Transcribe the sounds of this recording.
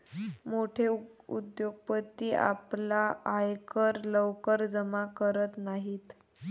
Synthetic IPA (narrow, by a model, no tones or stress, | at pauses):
moʈʰeṵd̪joɡ̚pət̪ːiːa̰plaajkəɾləʋkəɾd͡zəmakəɾət̪naɦiːt̪